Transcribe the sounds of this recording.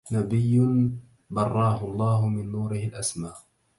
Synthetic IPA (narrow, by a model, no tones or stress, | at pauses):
nabɪjːʊn | bɑrˤːɑːhʊɑlˤːɑːɦʊmɪnːuːɾɪhɪlʔasmaːʔ